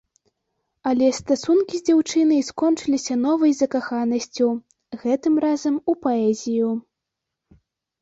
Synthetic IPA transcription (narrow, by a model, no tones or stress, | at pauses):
ɐlʲɛst̪asunkʲizʲd͡zʲawt͡ʂɨnɐjskɔnt͡ʂɨlʲisʲɐnɔvɐjzɐkaxanɐsʲt͡sʲu | ɣɛt̪ɨmrazɐmupaɛzʲiju